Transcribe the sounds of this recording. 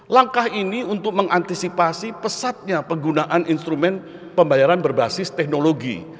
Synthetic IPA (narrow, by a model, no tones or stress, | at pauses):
laŋkahiniunt̪ʊk̚məŋant̪isipasipəsat̪̚ɲapəɡunaʔaninst̪ɾumɛn | pəmbajaɾanbərbasɪst̪ɛk̚noloɡḭ